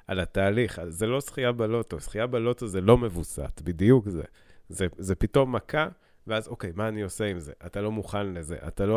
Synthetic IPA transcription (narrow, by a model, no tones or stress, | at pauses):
ʔalataːliχazelo̞sχijabalo̞tosχijabalo̞tozelo̞me̞vusa̰tbidijukzḛ | zezepito̞mːakʰa | veazoke̞jmaːnio̞seimze̞̰ʔatalo̞muχanle̞ze̞̰ʔa̰talo